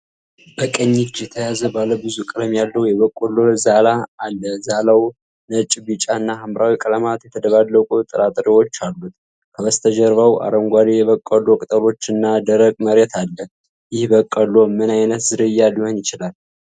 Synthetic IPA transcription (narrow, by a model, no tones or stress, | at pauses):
bəkʼəɲːit͡ʃːjɛt̪ʰəjazəbaləbɨzukʼɨləmjalːəhujɛβəkʼːəlozalaːlːəzalaw | nət͡ʃʼɪbit͡ʃʼaɨnːahamɾʔawikʼələmat̪jɛt̪ʰəd̪əβalːəkʼut̪ʼɨɾat̪ʼɾiwo̞t͡ʃːalːut̪ | kʰəβəst̪ʰəd͡ʒəɾβawa̰ɾəŋɡʷad̪ijɛβəkʼːəlo̞kʼɨt̪ʼəɾo̞t͡ʃːɨnːad̪əɾəkʼməɾet̪ʰalːə | jɪhbəkʼːəlomɨnajnət̪zɨɾɨjːalijonjɪt͡ʃɪlal